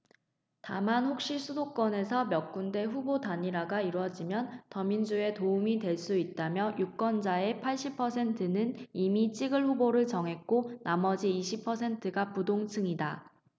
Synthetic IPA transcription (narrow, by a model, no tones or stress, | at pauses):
tamanɸok̚ɕ͈isʰudok͈wʌne̞sʰʌmjʌk̚k͈unde̞ɸubodaɲiɾaɡaiɾwʌd͡ʑimjʌntʌmind͡ʑue̞toumidwe̞ɭs͈uit̚t͈amjʌjuk͈wʌnd͡ʑae̞pʰaɭɕ͈ipʰʌsʰe̞ntʰɯnɯnimit͡ɕʰiɡɯɭɸuboɾɯɭt͡ɕʌŋɦe̞k̚k͈onamʌd͡ʑiːɕʰipʰʌsʰe̞ntʰɯɡapudoŋt͡ɕʰɯŋida